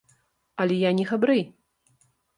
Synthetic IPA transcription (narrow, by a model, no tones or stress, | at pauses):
alʲɛjanʲɛxabɾɨj